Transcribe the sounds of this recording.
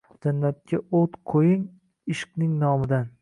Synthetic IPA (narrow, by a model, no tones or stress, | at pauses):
d͡ʒanːat̪̚kʲʰaot̪qʰojɪŋ | ɪʃqnɪŋnɒmɪd̪an